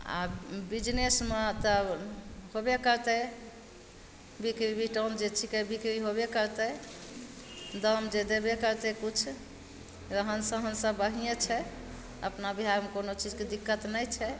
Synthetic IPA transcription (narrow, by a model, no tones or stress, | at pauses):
a̰bid͡ʒnesmẽt̪ə | hobekəɾt̪ɛ | bikɾibiʈɔnd͡ʒet͡ʃʰikɛbikɾiɦobekəɾt̪ə | d̪əmd͡ʒed̪ebekəɾt̪ɛkut͡ʃʰ | ɾəɦənsə̃ɦənsə̃bəɦijet͡ʃʰɛ | ə̰pnabiɦaɾmekonot͡ʃid͡ʒked̪ikːət̪nəjt͡ʃʰɛ